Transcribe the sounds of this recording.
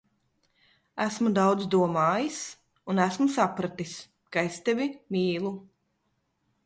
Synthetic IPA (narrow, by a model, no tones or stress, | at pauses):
æsmud̪awd̪zd̪uɔmaːjis | unæsmusapɾat̪is | kaest̪evʲimiːlˠu